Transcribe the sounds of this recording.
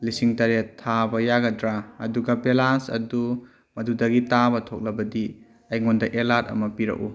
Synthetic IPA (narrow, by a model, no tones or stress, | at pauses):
lisiŋtɐɾetʰːabɐjaɡɐdɾaɐ̰duɡɐpelansɐ̰du | mɐdudɐɡitabɐtʰok̚lɐbɐdi | ɐjŋondɐʔelatɐ̰mɐpiɾɐ̰ku